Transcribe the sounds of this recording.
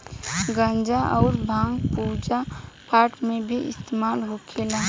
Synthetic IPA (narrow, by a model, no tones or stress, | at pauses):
ɡãnd͡ʒaʔɔʊɾbʱãːŋɡpud͡ʒapaːɾʈmebʱiɪ̰st̪emaːlɦokʰela